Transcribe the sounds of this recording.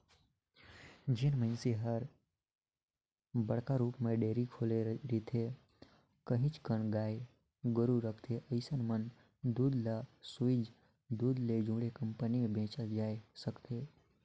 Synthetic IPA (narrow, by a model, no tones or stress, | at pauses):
d͡ʒɪnmənseɦəɾ | bəɽkaɾuːpmẽɖeːɾikʰoːleɾit̪ʰe | kəɦĩt͡ʃkəɳ̃ɡaːe | ɡəɾuɾəkʰt̪ʰeʔəɪsənmən | d̪uːd̪lasuɪd͡ʒ | d̪uːd̪led͡ʒũːɽekə̃mpənimẽbʱẽːt͡ʃad͡ʒaːesəkt̪ʰeː